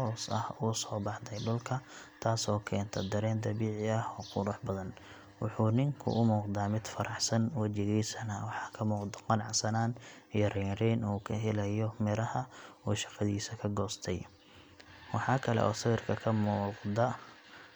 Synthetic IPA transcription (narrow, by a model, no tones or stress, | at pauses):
hɔːsɐ̰huːsɔːbɑħd̪ɛjɖʊlkʰɐt̪ʰaːsɔːkʰɛːnt̪ʰɐd̪ɐɾɛːnd̪ɐβiːʕɪɐhɔːqʰʊɾʊħbɐðɐn | wɑħuːnɪŋkʰʊ̰ʔʊmuːqd̪aːmɪd̪fɐɾɑħsɐnwɐt͡ʃɪɣiːsɐnɐwɑħɑːkʰɐmuːqd̪ɐ̥qɑnʕɑsɐnaːn | ijɞrɛːrɛːnuːkʰɐɦɪlɐjɔmɪɾɐhɐuːʃɑ̥qɑðiːsɐkʰɐɡɔːst̪ʰɛj | wɑħɑːkʰɐlɛ̰ʔɔ̰ːsɪβɪrkʰɐkʰɐmuːqd̪ɐ